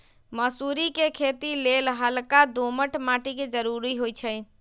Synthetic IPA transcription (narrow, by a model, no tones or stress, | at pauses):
məsuɾikekʰet̪ilelɦəlkad̪oməʈʰmaʈiked͡ʒəɾuɾiɦojt͡ʃʰəj